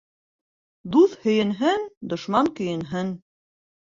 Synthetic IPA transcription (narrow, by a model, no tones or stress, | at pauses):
d̪uθhɵ̆jɘ̆nɦɘnd̪ŏʃmɑŋkɵ̆jɘ̆nɦɘn